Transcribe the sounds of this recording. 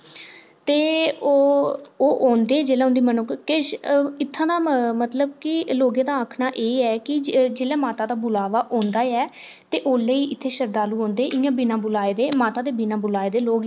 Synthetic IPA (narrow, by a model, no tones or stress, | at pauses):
t̪eːoːoːʔoːnd̪eːɛːd͡ʒeːlẽːʊ̃nd̪iːmənʊkʰkːeʃɪt̪ʰːãːd̪aːmət̪ləbkɪloːɡẽːd̪aːəkʰnaːʔeːɛːkɪd͡ʒeːlɛːmaːt̪aːd̪aːbʊlaːʋaːʔõːnd̪aːɛː | t̪eːʔoːleiːʔɪt̪ʰːeːʃəɾd̪aːluːɦõːnd̪eːʔɪjãːbɪnãːbʊlaːeːd̪eːmaːt̪aːd̪eːbinãːbʊlaːeːd̪eːloːɡ